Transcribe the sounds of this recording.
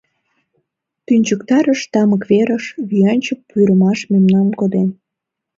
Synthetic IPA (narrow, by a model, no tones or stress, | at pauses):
t̪ynʲt͡ɕukt̪ɑɾəʃt̪ɑməkβeɾəʃβyɑnʲt͡ɕəpːyɾəmɑʃmemnɑmkod̪en